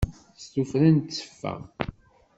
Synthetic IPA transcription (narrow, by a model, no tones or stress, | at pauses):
st̪ufɾænt̪t͡sːə̥fːæ̰